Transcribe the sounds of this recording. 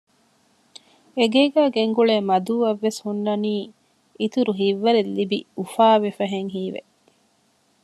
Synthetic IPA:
eɡeːɡæːɡeŋɡuɭeːmɐd̪uːʋɐʋːeshunːɐniː | it̪uɾuɦiʋːɐɾelːibiufaːʋefɐɦeŋɦiːʋḛʔ

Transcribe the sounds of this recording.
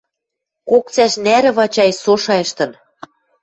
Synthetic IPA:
kok̚t͡sæʃnæɾɘ̆βɑt͡ɕɑjsoʃɑĕʃt̪ɤ̆n

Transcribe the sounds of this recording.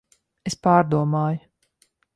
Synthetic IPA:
espaːɾd̪uɔmaːj

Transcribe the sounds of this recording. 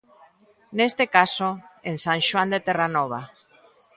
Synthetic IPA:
nest̪ekasoensãŋʃwand̪et̪eranɔβ̞a

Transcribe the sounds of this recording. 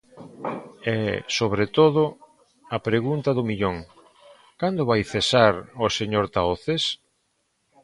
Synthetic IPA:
ɛsoβɾet̪oðʊ | ɐpɾeɣunt̪aðʊmiʎoŋ | kand̪ʊβajθesaɾoseɲoɾt̪aoθes

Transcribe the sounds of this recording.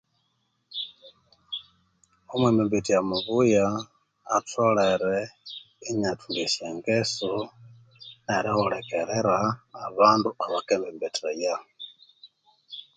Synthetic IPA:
omweːmbimbitijamuβujaː | tʰoleɾe | iɲatʰulisjeːŋɡesu | neɾixolekeɾeɾaːβaːnduaβakeːmbimbitʰeja

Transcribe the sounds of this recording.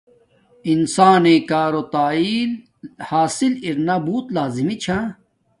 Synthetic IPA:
insaːnẽːkaːɾot̪aːiːl | haːsiliɾnabuːt̪laːzimit͡ɕʰãː

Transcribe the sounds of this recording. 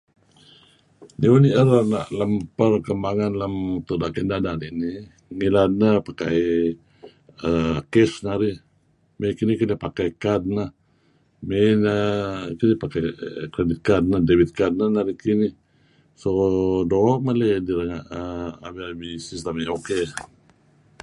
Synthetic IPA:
niuniʔəɾanaʔləmpərkəmbaŋanləmt̪uʔnaʔkəndadanini | ŋilad̪̚nəpaka̰j | əkɛsnaɾi | mekinikilihpakajkad̪̚nəh | menəkinihpakajkɾedit̪̚kad̚nədewit̪̚kad̪̚nənaɾikinih | sodoʔmalediɾəŋaʔəa̰biabisist̪əmioke

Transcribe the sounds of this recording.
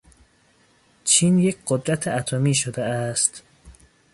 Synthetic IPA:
t͡ʃʰiːnjecʰɢod̪ɾæt̪ʰeʔæt̪ʰomiːʃod̪eæst̪

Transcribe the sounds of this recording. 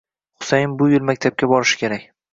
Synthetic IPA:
χʊ̥sajɪmbʊjɪlˠmakʲt̪ʰap̚kʲabɒɾɪʃɪ̥kʲʰe̞ɾakʲ

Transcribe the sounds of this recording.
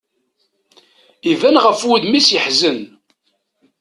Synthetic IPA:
ivænʁəfwud̪misjəħzən

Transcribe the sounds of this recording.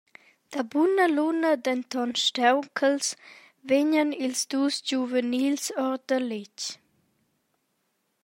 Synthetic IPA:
d̪̥abunəlunəd̪ɛnt̪ɔnʃtɛwkʰəls | veɲənilsd̪uːsd͡ʒuvənilsɔɾd̪əlɪc

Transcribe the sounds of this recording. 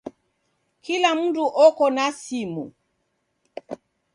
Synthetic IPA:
kilamunduʔɔkɔnasimṵ

